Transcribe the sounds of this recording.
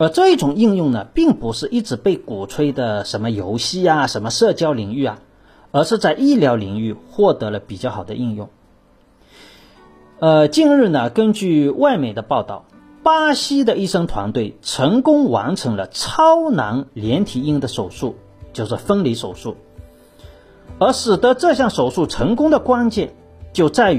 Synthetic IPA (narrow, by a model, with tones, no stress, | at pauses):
ə˧˥ʈ͡ʂɤ˥˧i˥˩ʈ͡ʂʊ˨˩ŋi˥˧ŋjʊ˥˩ŋnə˩pi˥˩ŋpu˧˥ʂɻ̩˥˧ʔi˥˩ʈ͡ʂɻ̩˨˧˥pe˥˩ɪku˨˩ʈ͡ʂʰwe˥ɪd̪ə˨ʂə˧˥nmə˧jo˧˥ʊɕi˥a˨ʂə˧˥nmə˧ʂɤ˥˩t͡ɕjɑ˥ʊli˨˩ŋy˥˩ɐ˩ | ə˞˧˥ʂɻ̩˥˧t͡sa˥˧ɪʔi˥˩ljɑ˧˥ʊli˨˩ŋy˥˧xwɔ˥˩t̪ɤ˧˥lə˧pi˨˩t͡ɕjɑ˥˩ʊxɑ˨˩d̪ə̰˦ʔi˥˧ŋjʊ˥˩ŋ | ə˧t͡ɕi˥˧nɻɻ̩˥˩nə˩kə˥nt͡ɕy˥˧wa˥˩ɪme˨˩ɪd̪ə˦pɑ˥˧ʊt̪ɑ˥˩ʊ | pa˥ɕi˥d̪ə˨i˥˩ʂɤ˥ŋt̪ʰwa̰˧˥nt̪we˥˩ɪʈ͡ʂʰɤ˧˥ŋkʊ˥ŋwa̰˧˥nʈ͡ʂʰɤ˧˥ŋlə˧ʈ͡ʂʰɑ˥ʊna˧˥nljɛ˧˥nt̪ʰi˨˩i˥˩ŋd̪ə˩ʂo˨˩ʊʂu˥˩ | t͡ɕjo˥˧ʊʂɻ̩˥˩fə˥nli˧˥ʂo˨˩ʊʂu˥˩ | ə˞˧˥ʂɻ̩˨˩t̪ə˧˦˥ʈ͡ʂɤ˥˧ɕjɑ˥˩ŋʂo˨˩ʊʂu˥˩ʈ͡ʂʰɤ˧˥ŋkʊ˥ŋd̪ə˨kwa˥nt͡ɕjɛ˥˧n | t͡ɕjo˥˧ʊt͡sa˥˩ɪ